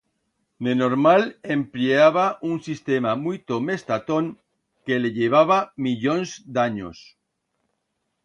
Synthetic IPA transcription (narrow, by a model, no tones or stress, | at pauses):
nenoɾmalempleaβaʔuŋsist̪emamujt̪omest̪at̪oŋ | keleʎeβ̞aβ̞amiʎõnzd̪aɲo̰s